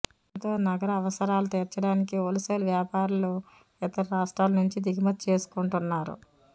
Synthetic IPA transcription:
t̪o̞ːnɐɡɐɾɐːʋɐsɐɾaːlut̪eːɾt͡ʃːɐɽaːnikioliseːlʋjaːpaːɾɐlu | ɛt̪ɐɾiɾaːʂʈɾaːlɐnuɲt͡ʃid̪iɡimɐt̪t͡ʃe̞ːsu̥kuɳʈunːaːɾṵ

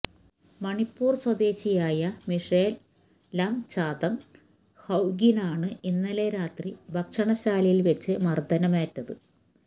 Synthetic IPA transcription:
mɐɳipːuːrswɐd̪e̞ːɕijaːjɐmiʂeːl | lɐmt͡ɕaːd̪ɐŋ | hɐwɡinaːɳɨinːɐleɾaːt̪ribʱɐkʂɐɳɐɕaːlɐjilʋet͡ɕːɨmɐrd̪ʱɐnɐmeːtːɐðɨ

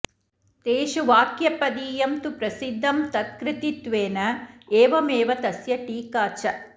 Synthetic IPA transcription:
t̪eːʃuʋaːkjɐpɐd̪iːjɐmt̪upɾɐsid̪ʱːɐmt̪ɐt̪̚kɾɪt̪it̪ʋeːnɐeːʋɐmeːʋɐt̪ɐsjɐʈiːkaːt͡ʃɐ

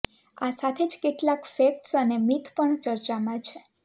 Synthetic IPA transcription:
asat̪ʰed͡ʒkeʈlakfek̚ʈsənemit̪ʰpəɳt͡ʃəɾt͡ʃamãt͡ʃʰe

